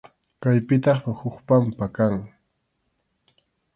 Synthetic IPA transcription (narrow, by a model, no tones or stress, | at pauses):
kajpɪt̪ɑχhʊχpampakaŋ